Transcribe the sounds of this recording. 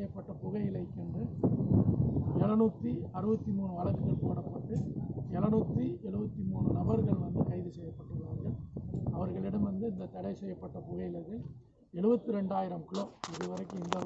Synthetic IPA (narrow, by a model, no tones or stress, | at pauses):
jɐpːɐʈːɐpʊɣɐjɪlɐɪkːɛɳdrɯ | ɛɭɐnuːt̪ːiɐɾɯbɐt̪ːimuːnɯɐlɐɣɯɣɐɭpoːɽɐpːɐʈːɯɛlɐnuːt̪ːiɛɭɯbɐt̪ːimuːɳɯnɐbɐɾɣɐɭʋɐnd̪ɯkɐɪðɯsɛjːɐpːɐʈːɯɣɾaːɾɡɐɭɐʋɐɾɣɐɭɪɽɐmʋɐnd̪ɯɪnd̪ɐt̪ɐɽɐɪsɛjːɐpːɐʈːɐpʊɣɐɪɪlɐɾɣɐɭ | ɛɭɯbɐt̪ːɯɾɛɳɖaːjɪɾɐmkɪɭoːɪðɯʋɐɾɐɪkːɯmɪnd̪ɐ